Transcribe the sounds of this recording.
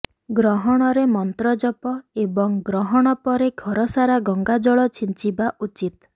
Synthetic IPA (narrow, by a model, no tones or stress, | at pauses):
ɡɾɔɦɔɽ̃ɔɾemɔnt̪ɾɔd͡ʒɔpɔebɔŋɡɾɔɦɔɽ̃ɔpɔɾeɡʰʱɔɾɔsaɾaɡɔŋɡad͡ʒɔɭɔt͡ʃʰint͡ʃibaʔut͡ʃit̪